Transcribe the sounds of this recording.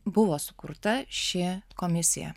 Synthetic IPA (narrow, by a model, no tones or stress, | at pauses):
bʊʋoːsʊ̥kʊ̰ɾt̪ɐʃʲɪkomʲɪsʲɪ̰jɛ̰